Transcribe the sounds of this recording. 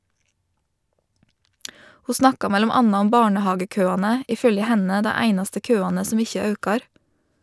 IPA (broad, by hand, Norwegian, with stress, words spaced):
ˈhuː ˈsnɑkɑ ˈmɛlʊm ˈɑnɑ ˈʊm ˈbɑːɳəˌhɑːɡəˌkøːɑːnə ˈiː ˈfœljə ˈhɛnə ˈdæ ˈæɪnɑstə ˈkøːɑːnə ˈsɔm ˈɪçə ˈɑʉkɑɾ